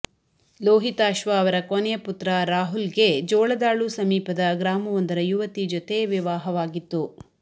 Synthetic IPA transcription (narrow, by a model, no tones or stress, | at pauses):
loːɦit̪aːʃʋɐːʋɐɾɐkonɛjɐput̪ɾɐɾaːɦulɡe̞d͡ʒɔːɭɐd̪aːɭusɐmiːpɐd̪ɐɡɾaːmɐʋɔnd̪ɐɾɐjuʋɐt̪id͡ʒot̪e̞ʋiʋaːɦɐʋaːɡit̪ːu